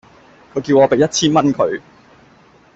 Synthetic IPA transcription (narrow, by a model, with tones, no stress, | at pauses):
kʰɵ˨˧ɥkiː˧wŋɔː˨˧pe˨jɐ˥t̚t͡sʰiː˥nmɐ˥nkʰɵ˨˧ɥ